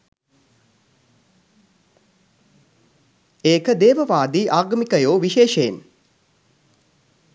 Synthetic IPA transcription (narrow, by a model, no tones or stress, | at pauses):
eːkəd̪eːʋəʋaːd̪iːʔaːɡɐmikəjoːʋiʃeːʃein